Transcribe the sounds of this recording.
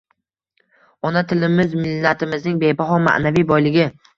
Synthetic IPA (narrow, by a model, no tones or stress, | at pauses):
ɒnat̪ʰɪlɪmɪzmɪlːat̪ʰɪmɪznɪŋbe̞jbaɦɒma̰ʔnavijbɒjlɪɡʲɪ